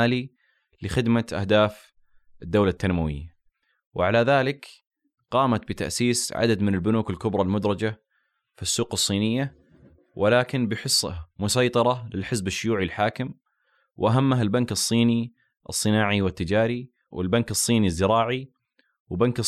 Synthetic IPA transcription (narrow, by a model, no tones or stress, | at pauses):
aːli | lɪxɪd̪maʔa̰hd̪aːf | ʔɪd̪ːawlat̪ːanmawɪ̰jːa | wʔɪʕalaðaːlɪk | qɑːmat̪̚bɪt̪a̰ʔsiːsʕa̰d̪ad̪mɪnɪlbʊnuːkɪlkʊbɾˤɑlmʊd̪ɾˤɑd͡ʒa | fisːuːqɨsˤːiːnɪjːa | wʔɪlaːkɪnbɪħɪsˤːmʊsɑjt̪ˤɑɾˤɑlɪlħɪzbɪʃːʊjuːʕilħaːkɪm | wʔaɦamːaɦalbankɨsˤːiːni | ʔɨ̰sˤːɨnaːʕiwɪt̪ːɪd͡ʒaːɾi | wʔɪ̰lbankɨsˤːiːnizːɪɾɑːʕi | wɪbankɨ